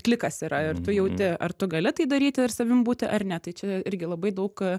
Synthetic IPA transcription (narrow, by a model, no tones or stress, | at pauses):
kʲlʲɪkɐsiɾɐɪrt̪ʊjɛʊt̪ʲɪɐ̰rt̪ʊɡɐlʲɪt̪ɐɪd̪ɐɾʲiːt̪ʲɪɪrsɐʋʲɪmbuːt̪ʲɪʔɐrnʲɛt̪ɐɪt͡ʃʲɛɪɾʲɡʲɪlˠɐbɐɪd̪ɐʊk